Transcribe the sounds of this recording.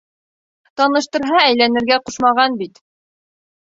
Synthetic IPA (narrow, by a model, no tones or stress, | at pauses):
t̪ɑnɤ̆ʃt̪ɤ̆ɾɦɑæjlænɘ̆ɾɡæquʃmɑʁɑnbit̪